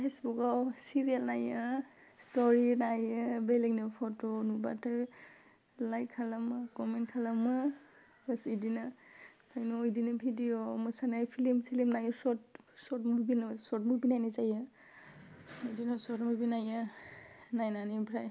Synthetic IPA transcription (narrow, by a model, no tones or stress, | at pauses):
pʰesbukawsiɾijalnajɯ | stɔɾinajɯbeliŋnɯpʰotonuba̰tʰɯ | lajkʰːalamɯkɔmentkʰalamɯ | sidinɯkʰajnɔojdinɯbʱidiomɯsanajpʰilimsilimnajɔsɔt̚sɔtmubinsɔt̚mubinajnazajɯ | ɔjdinɔsɔtmubinajɯ | najnanibʰɾaj